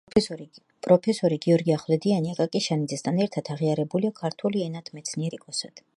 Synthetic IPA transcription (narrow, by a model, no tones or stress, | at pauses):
pʼɾɔpʰɛsɔɾiɡiɔɾɡiaχlˠɛd̪ianiakʼakʼiʃanid̪zɛsd̪ʰanɛɾt̪ʰat̪ʰaʁiaɾɛbuliakʰaɾt̪ʰuliɛnat̪ʰmɛt̪sʰniɛɾikʼɔsad̪̥